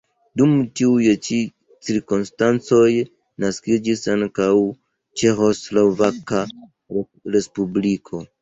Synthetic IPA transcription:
dumtiujet͡ʃi | t͡siɾkonstant͡soj | naskid͡ʒisaŋkaw | t͡ʃexo̞slovaka | ɾespublikʰo̞

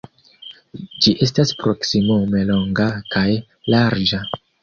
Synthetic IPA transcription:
d͡ʒiʔe̞staspɾo̞ksimome̞lo̞ŋɡakaj | laɾd͡ʒa

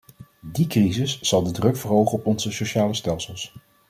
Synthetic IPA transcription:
dikrizɪsːɑlˠdədrɵkfəɹɦowχənɔpɔnzəsoʃaːləstɛlˠsəlˠs

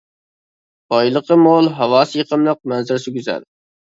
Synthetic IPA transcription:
bɑjlˠəqʰəmolˠɦɑwɑːsɨjəqəmlˠəq̚mɛnzɪɾsyɡʲyzæ̰ɾ

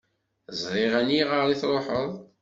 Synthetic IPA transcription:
zɾˤɪʁæniʁəɾˤiθɾˤoħəðˤ

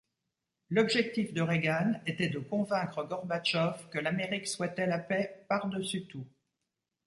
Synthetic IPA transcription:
lɔbʒɛk̚t̪ifd̪əʁeɡanet̪ɛd̪əkɔ̃vɛ̃kχəɡɔʁbat͡ʃɔfkəlameʁikswɛt̪ɛlapɛpaʁd̪əsyt̪u

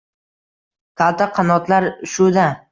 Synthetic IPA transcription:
kʰalˠt̪ʰaqʰɑnɒt̪laɾʃʊd̪a

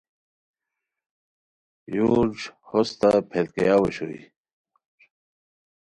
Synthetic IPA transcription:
juːd͡ʑhost̪apʰelkejaːweɕo̰ḭ

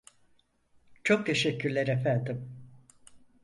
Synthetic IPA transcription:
t͡ʃʰo̞k̚t̪ʰe̞ʃɛcʰːyɾlʲæɾefænd̪im

